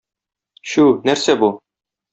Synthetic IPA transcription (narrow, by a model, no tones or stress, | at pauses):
ɕunæɾsæbu